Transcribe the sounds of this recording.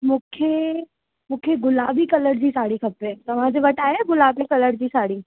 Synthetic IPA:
mũːkʰe | mũːkʰeɡʊlaːbikɐləɾd͡ʑiːsaːɽikʰɐpet̪ɐʋ̤ãd͡ʑeʋɐʈaːjeɡʊlaːbikɐləɾd͡ʑiːsaːɽiː

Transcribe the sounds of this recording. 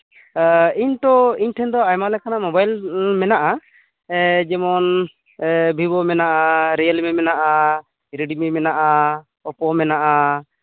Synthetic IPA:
iɲʈɔiɲʈʰɛnd̪ɔajmalɛkanamɔbajlmɛnaʔa | d͡ʒɛmɔn | bʱibɔmɛnaʔaɾɛjlmɛmɛnaʔa | ɾiɖimɛmɛnaʔa | ɔpɔmɛnaʔa

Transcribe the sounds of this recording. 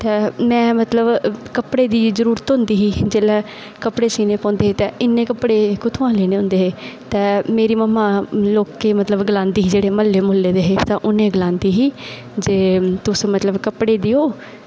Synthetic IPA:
t̪ɛːmɛ̃ːmət̪ləbkəpɽeːd̪iːzəɾuːɾət̪ɦʊ̃ːnd̪iːɦiːd͡ʒeːlɛː | kəpɽeːsiːneːpɔ̃ːnd̪eːɦeːt̪ɛːɪnːẽːkəpɽeːkʊt̪ʰõːãːleːneːɦʊ̃nd̪eːɦeːt̪ɛːmeːɾiːməmãːloːkːeːmət̪ləbɡəlãːnd̪iːɦiːd͡ʒeːɽeːməlːeːmoːlːeːd̪eːɦeːt̪ãːʔʊnẽːɡəlãːnd̪iːɦiː | d͡ʒeːt̪ʊsmət̪ləbkəpɽeːd̪iːɦoː

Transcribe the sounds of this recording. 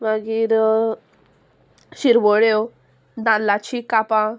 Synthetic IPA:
maɡiɾ | ɕiɾʋɔɽjo | d̪ãlat͡ɕikapã

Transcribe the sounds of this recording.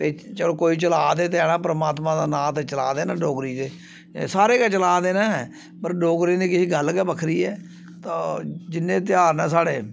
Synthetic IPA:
t̪eːt͡ʃəloːkoːiːt͡ʃəlaːd̪eːt̪eɛːɽãːpəɾəmaːt̪mãːd̪aːnãːt̪eːt͡ʃəlaːd̪eːnãːɖoːɡɾiːt̪eː | saːɾeːkaːt͡ʃəlaːd̪eːnaːɛː | pəɾɖoːɡɾiːnẽːkɪsiːɡəlkɛːbəkʰɾiːɛː | t̪aːd͡ʒɪnːẽːt̪̬ɪjaːɾnɛːs̬aːɽeː

